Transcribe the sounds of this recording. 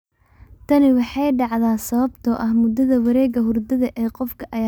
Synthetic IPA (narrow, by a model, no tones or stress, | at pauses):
t̪ʰɐnɪwɑħɑjɖɑʕðaːsɐβɐbt̪ʰɔʔɐhmʊd̪ɐðɐwɐɾɛːɣɐɦʊrd̪ɐðɐʔɛːqɔfkʰɐʔɐ